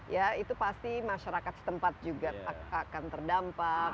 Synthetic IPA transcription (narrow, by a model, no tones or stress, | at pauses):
jait̪upast̪imaʃaɾakat̪̚sə̥t̪əmpat̪̚d͡ʒuɡaakant̪ərdampa